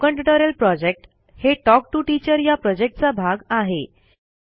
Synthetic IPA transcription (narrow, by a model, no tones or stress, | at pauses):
kəɳʈiʈəɾəlpɾɔd͡ʑek̚ʈ | heʈɔk̚ʈuʈit͡ɕəɾjapɾɔd͡ʑek̚ʈ̚t͡sabʱaɡaɦe